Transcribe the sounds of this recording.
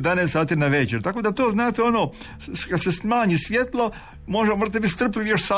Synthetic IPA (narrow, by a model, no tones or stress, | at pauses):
d̪aneːst̪saːt̪iːnaʋet͡ʃeɾt̪ako̞d̪at̪oːznaːt̪eonoː | kad̪sesmaːɲisʋjet̪lˠo | moʒamoʒdat̪ebit̪st̪r̩piʋjoʃsa